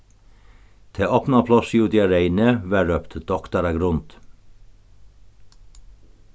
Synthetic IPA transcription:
t̪ʰeːʔɔpnɑpʰlɔsjuːd̪ɪɑɾeɪnəʋæːɾœːpt̪d̪̥ɔkt̪ɑɾɑɡɾʊnd̪̥

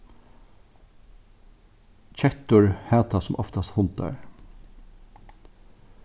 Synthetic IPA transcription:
t͡ʃʰɛt̪ʊɹhæːt̪ʰasʊmʔɔft̪ashʊlt̪a̰ɹ

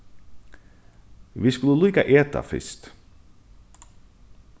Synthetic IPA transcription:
ʋiskʉləliːkaʔeːt̪a̰fɪ̰st̪

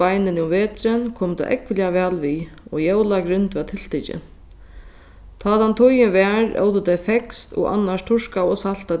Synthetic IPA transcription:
ajnɪnɪʊmveːt̪ɾɪnkʰoːmt̪a̰ʔɛ̰kʋɪljaʋɛːlʋiːɔjɛwlaɡɾʏnt̪ʋɛt̪ʰɪl̥t̪ɪt͡ɕɪ̰n | t̪ʰɑːt̪ant̪ʰʊjɪʋɛːɾɛ̰wt̪əd̪ajfɛkst̪ɔ̰ɣʔa̰nːaʂt̪ʰʊʂkaɔsal̥t̪a

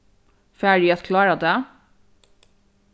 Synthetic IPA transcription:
fæːɖiɑt̪kʰlɑːɾɑd̪ɛː

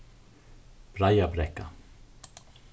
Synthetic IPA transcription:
b̥ɾajabɾɛkːa

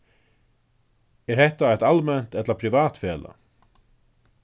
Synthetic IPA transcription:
ɛɾhɛht̪aæt̪almɛnt̪ɛt̪laɾpʰɾiʋaːt̪fɛːla̰

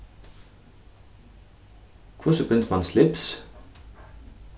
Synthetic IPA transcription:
kʰvʊsəbʏnt̪mɑnslɪps

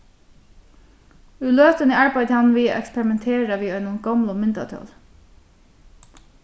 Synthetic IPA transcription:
ʉløːt̪ənəaɹbajt̪ɪhanʋiːaʔɛ̰kspɛɾɪmɛnt̪ʰeːɹaʋiːɔɪnʊŋɡɔmlʊmɪnt̪a̰t̪ʰɔ̰ːl

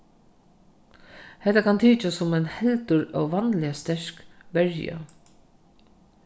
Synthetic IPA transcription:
hɛt̪ːakʰant̪ʰiːt͡ʃasːʊmɛnhɛlt̪ʊɹawʋanlɪast̪ɛʂkʋɛɹja̰

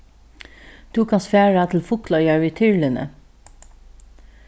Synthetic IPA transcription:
d̪̥ʉːkʰɑnst̪fæːɹat̪ʰɪl̩fʊklœʏjɑɹʋiːt̪ʰʏɹlɪnə̰

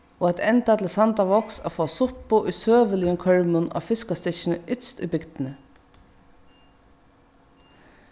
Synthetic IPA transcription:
ɔat̪ɛnt̪at̪ʰɪlsant̪aʋɔksa̰foːsʊpʊʔʊjsøːʋɪlɪjʊŋkʰœɹmʊna̰fɪskast̪ɪʃnəʏt̪st̪ʊ̰jbɪkt̪ɪnə

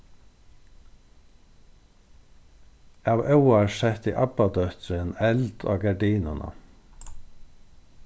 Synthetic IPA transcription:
ɑːʋɑʊɑʃɛt̪iːʔɑbɑd̪œht̪ɾənɛld̪̥o̰ːɡɑɖiːnʊnʔɑ̰

